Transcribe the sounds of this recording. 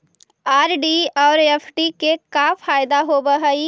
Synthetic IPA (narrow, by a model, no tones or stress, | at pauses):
aːɾɖiɔːɾefʰɖikekafʰaːjd̪aɦobɐɦai